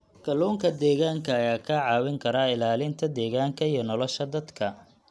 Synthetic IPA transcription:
ɡʰɐluːŋkʰɐd̪ɛːɣaːŋkʰɐːjaːkʰɐʕɑːwɪŋkʰɐɾaːɪlaːlɪnt̪ʰɐd̪ɛːɣaːŋkʰɐijɔnɔlɔʃɐd̪ɐd̪kʰɐ

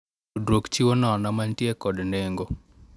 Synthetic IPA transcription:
udɾokt͡ʃiwonɔnamantjɛkɔdneŋɡo

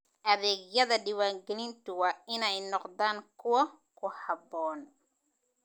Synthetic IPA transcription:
ʔɐðɛːɡjɐðɐɖɪwaːŋɡɛlɪnt̪ʊwɑːɪnɛjnɔqðaːŋkʰʊwɐ | kʰʊhɑbɔːn

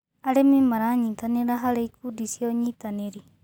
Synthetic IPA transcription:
alemimaɾaɲĩt̪aniɾaɦalekudisioɲit̪aneɾi

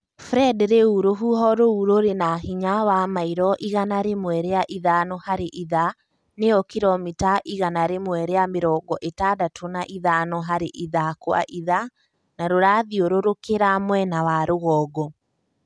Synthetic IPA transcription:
fɾɛdɾeuɾoɦuɦɔɾouɾoɾenaɦiɲawamaiɾɔʔiɣanaɾemwɛɾeaʔiðanɔhaɾeʔiða | neɔkiɾɔmitaʔiɣanaɾemwɛɾeameɾɔɡɔʔetadatʰonaʔiðanɔɦaɾeʔiðakoa̰ʔiða | naɾoɾaðioɾoɾokeɾamwɛnawaɾoɣɔːɡɔ

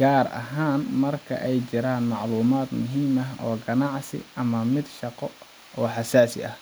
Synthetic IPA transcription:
ɡaːrɐ̰ɦaːnmɐrkʰɐ̰ʔɛjt͡ʃɪɾaːnmɑʕluːmaːd̪mʊɦiːmɐɦɔːɡɐnɑʕsɪ̰ʔɐmɐmɪd̪ʃɑqɔ | ɔːħɑsaːsɪ̰ʔɐh

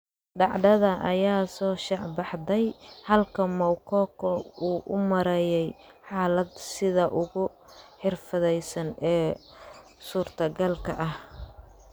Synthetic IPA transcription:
ɖɑʕd̪ɐðɐʔɐ̰jaːsɔːʃɑʕbɑħd̪ɛjhɐlkʰɐmɔwkʰɔkʰɔuːʔʊmɐɾɛjɛj | ħɑːlɐd̪sɪðɐʔʊɣʊ | ħɪrfɐðɛjsɐnɛː | suːrt̪ʰɐɡɐlkʰɐʔɐh

